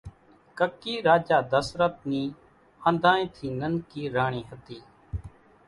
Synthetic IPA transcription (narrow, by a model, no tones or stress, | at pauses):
kəkːiːɾaːd͡ʒaːd̪əsɾət̪̚niː | ə̃nd̪ʱãːẽːt̪ʰiːnənkiːɾaːɳ̃iːɦət̪iː